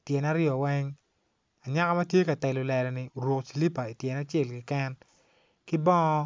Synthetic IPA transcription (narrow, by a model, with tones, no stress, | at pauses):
tjɛ˨na˦ɾjɔ˨wɛ˦ŋ | a˨ɲa˦ka˦ma˦tje˦ka˨tɛ˨lʊ˨lɛ˨lɔ˨nɪ˨o˨ɾwo˨ksi˨li˦pa˨i˨tjɛ˨na˦t͡ʃɛ˦˨lkɪ˦kɛ˦n | kɪ˦bɔ˦ŋɔ˦